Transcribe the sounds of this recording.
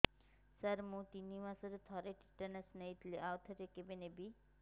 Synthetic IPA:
səɾmũt̪iniʋasɔɾut̪ʰɔɾeʈi̥ʈənɐsneit̪leʔawt̪ʰəɾekebenebi

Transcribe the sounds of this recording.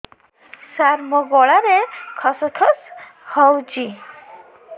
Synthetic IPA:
saɾmɔɡɔɭaɾekʰɔsɔtʰɔshɔwd͡ʒi

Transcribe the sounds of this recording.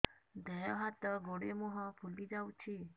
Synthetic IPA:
d̪ɛjɔɦat̪əɡoɽemɔɦɔpʰulid͡ʒawt͡ʃʰi

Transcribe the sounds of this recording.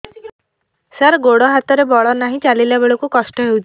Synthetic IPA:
saɾɡoɽɔɦat̪ɔɾebɔɭɔnaɦĩt͡ʃalilabeɭɔkukɔsʈɔɦewt͡ʃʰi

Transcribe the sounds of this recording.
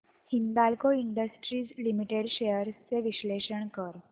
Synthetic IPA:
hind̪alkoiɳɖəsʈɾiːd͡zlimiʈeɖɕejəɾst͡seʋiɕleɕəɳkəɾ

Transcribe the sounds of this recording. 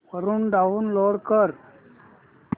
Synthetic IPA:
pəɾunɖaʋnloːɽkəɾ

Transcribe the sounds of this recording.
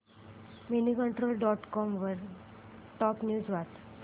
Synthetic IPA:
minikəɳʈɾoːlɖɔʈkɔmʋəɾ | ʈɔpnjuːd͡zʋat̪

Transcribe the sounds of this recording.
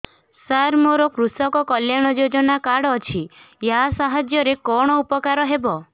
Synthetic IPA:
saɾmoɾɔkɾusɔkɔkɔljaɽ̃ɔd͡ʒod͡ʒɔnakaɽɔt͡ʃʰi | jasaɦad͡ʒjɔɾekɔɽ̃ɔupɔkaɾɔɦebɔ

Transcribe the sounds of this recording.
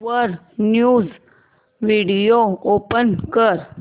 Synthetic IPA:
əɾ | njuːz | ʋiɖijoopənkəɾ

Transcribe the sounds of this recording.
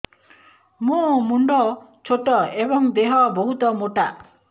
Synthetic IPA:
mũmuɳɖɔt͡ʃʰoʈɔebɔŋd̪eɦɔboɦut̪ɔmoʈaʔ

